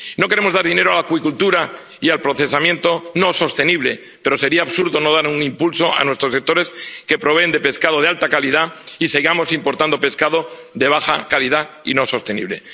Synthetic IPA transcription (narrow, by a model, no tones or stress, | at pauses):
no̞keɾemo̞zðaɾðine̞ɾoalakwikult̪uɾa | ialpɾo̞θe̞samjẽ̞nt̪o̞no̞so̞st̪e̞niβle̞ | pe̞ɾo̞se̞ɾiaːβsuɾðo̞no̞ð̞aɾuŋimpulso̞a̰nwe̞st̪ɾosek̚t̪o̞ɾe̞ske̞pɾo̞βe̞ːnd̪epe̞skaðo̞ð̞ealt̪akaliðaiseɣamo̞simpo̞ɾt̪and̪o̞pe̞skaðo̞ | ðe̞β̞axa̰kaliða | ḭno̞so̞st̪e̞nḭβ̞le̞̰